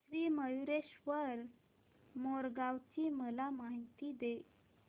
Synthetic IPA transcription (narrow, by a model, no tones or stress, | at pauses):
sɾiːməjuɾeɕʋəɾ | moɾɡawt͡ɕiːməlamaɦit̪iːd̪e